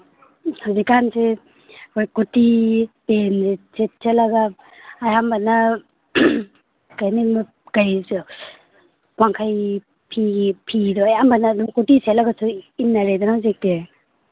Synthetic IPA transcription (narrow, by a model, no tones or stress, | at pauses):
hazikanse | kojkutipenzeset̚selaɡaː | jambanːa | kajnim | kaj | kwaŋkʰaj | pʰiɡipʰidɔajambanadumkutisetlaɡasuinːaɾedɔnahazik̚te